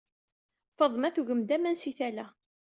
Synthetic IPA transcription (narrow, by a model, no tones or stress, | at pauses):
fəðˤmæθuʝəmd̪æmænsiθælæ